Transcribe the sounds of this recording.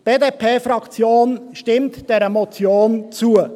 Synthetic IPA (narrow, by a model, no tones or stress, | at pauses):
b̥eːdeːpʰeːfɾɑkt͡sjoːnʃtɪmtd̥ɛɾəmɔt͡sjoːnt͡suə